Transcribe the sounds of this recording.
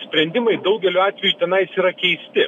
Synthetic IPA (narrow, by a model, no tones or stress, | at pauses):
sʲpʲɾʲɛnʲd̪ʲɪmɐɪd̪ɐʊɡʲɛlʲuːɑːt̪ʲʋʲɛjuːˑt̪ʲɛnɐɪsiːɾɐkʲɛɪsʲt̪ʲɪ